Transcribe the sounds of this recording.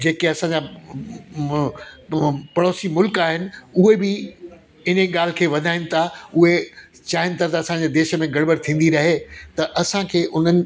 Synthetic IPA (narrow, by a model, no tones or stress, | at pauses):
d͡ʑeːkeɐsãːɲd͡ʑa | pɐɽoːsimʊlkaːɦɪnɪ̆uɦebɪ | ɪnəɠaːl̤ɪkʰeːʋɐd̪ʱaːɪnɪ̆t̪ʰaʊɦe | t͡ɕaːɦɪnɪ̆t̪ʰat̪ɐɐsãd͡ʑeːd̪eːʃəmẽɡɐɽbəɽt̪ʰĩːn̆d̪iɾɐɦet̪ɐʔɐsãkʰeːʔʊn̤ənɪ̆